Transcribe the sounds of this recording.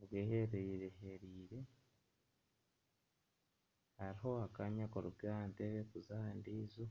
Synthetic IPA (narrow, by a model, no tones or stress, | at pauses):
βɡeheɾeiɾeɦeɾiːɾe̞ | haɾiɦo̞akaɲakoɾubɡaanteβekuzandiːzo